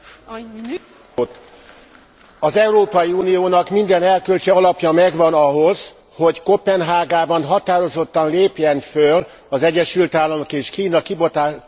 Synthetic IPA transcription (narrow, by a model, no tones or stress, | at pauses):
t̪ | ɒzɛuɾoːpɒjiuːnijoːnɒkmind̪ɛnɛlkølt͡ʃɛɒlɒpjɒmɛɡʋɒnɒɦo̞z̥ | ho̞ɟkopɛnɦaːɡaːbɒnɦɒt̪aːɾo̞zo̞t̪ːɒnleːpjɛnføl | ɒzɛɟːɛʃylt̪aːlːɒmokeːʃkiːnɒkibot̪aː